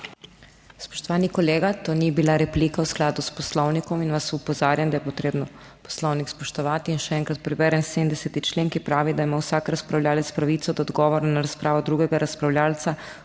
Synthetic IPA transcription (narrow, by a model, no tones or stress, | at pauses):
spo̥ʃt̪oʋaːnikoleːɡat̪oːnibilaɾɛpliːkausklaːd̪usposlownikɔminʋasupozaːɾjamd̪ajɛpot̪ɾeːbnɔ | po̥slownikspoʃt̪ɔʋaːt̪iːnʃɛɛŋkɾat̪̚pɾɛʋɛːɾɛnsed̪n̩d̪ɛsɛt̪it͡ʃleːŋkipɾaːʋid̪aimawsaːkɾaspɾawlʲʎaːlɛt̪spɾaʋiːt̪sɔd̪ɔːd̪ɡɔʋoɾanaɾaspɾaːʋɔd̪ɾuːɡɛɡaɾaspɾawlʲaːlt̪sa